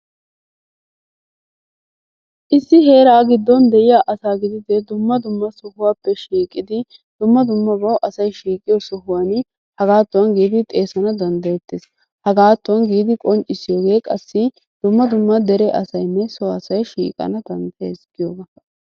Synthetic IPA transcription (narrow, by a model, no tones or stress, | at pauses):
ʔɪsːɪɦe̞ːɾaːɡɪd̪ːɔnd̪ɛʔɪjaːʔɐsaːɡɪd̪ɪd̪ɛd̪ʊmːɐd̪ʊmːɐsʊhʊwaːpːɛʃiːkʼɪd̪ɪ | d̪̥ʊmːɐd̪ʊmːɐbɐwʔɐsɐjʃiːkʼɪjɔsɔɦʊwan | hɐɡaːt̪ːʊwɐnɡiːd̪ɪt̪ʼe̞ːsɐnɐd̪ɐnd̪ɐjɛt̪ːɪs | hɐɡaːt̪ːʊwɐnɡiːd̪ɪkʼɔnt͡ʃʼːɪsɪjo̞ːɡe̞ːkʼɐsːɪ | d̪̥ʊmːɐd̪ʊmːɐd̪ɛɾɛʔɐ̰sɐjnːɛsɔɐsɐjʃiːkʼɐ̰nɐd̪ɐnd̪ɐjɛsɡ̥ɪjoːɡɐ